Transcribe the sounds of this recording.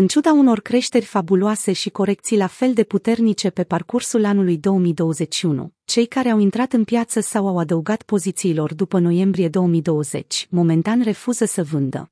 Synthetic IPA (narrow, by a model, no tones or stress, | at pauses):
ɨnt͡ʃud̪auno̞rkɾe̞ʃt̪e̞rʲfabuloase̞ʃiko̞ɾe̞kt̪sijlafe̞ld̪e̞put̪e̞rnit͡ʃe̞pe̞parkursulanulujd̪o̞wəmijd̪o̞wəze̞ʃiunṵt͡ʃe̞jkaɾe̞awint̪ɾat̪ɨnpjat̪səsawawad̪əuɡat̪po̞zit̪siːlo̞rd̪upəno̞je̞mbɾije̞d̪o̞wəmijd̪o̞wəze̞̰t͡ʃʲmo̞me̞nt̪anre̞fuzəsəvɨnd̪ə̰